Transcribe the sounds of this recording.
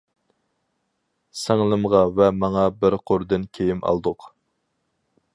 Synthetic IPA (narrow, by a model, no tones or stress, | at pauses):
sɛŋlˠɨmʁɑvɛmɑŋɑbɪɾqʰoɾd̪ɨnkʲʰejɪmɑ̰lˠd̪ʊq